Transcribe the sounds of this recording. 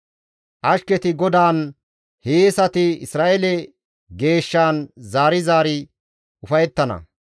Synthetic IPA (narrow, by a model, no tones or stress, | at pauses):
ʔɐʃkɛt̪ɪɡɔd̪aːn | heːsɐt̪ɪɪsɾaːʔelɛ | ɡe̞ːʃːaːnzaːɾɪzaːɾɪ | ʊfɐjɛt̪ːɐnɐ̰